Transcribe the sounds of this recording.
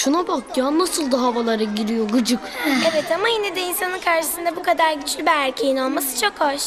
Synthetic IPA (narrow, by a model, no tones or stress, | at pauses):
ʃunabakjaːnasɯlˠd̪aɦavalˠaɾaɟiɾijo̞ɡɯd͡ʒɯkevɛt̪ʰamajinɛd̪ɛinsanɯnkʰaɾʃɯ̥sɯnd̪ɛbukʰad̪aɾɟyt͡ʃʰlʲybiæɾcʰe̞jinolˠmasɯ̥t͡ʃʰo̞kʰaʃ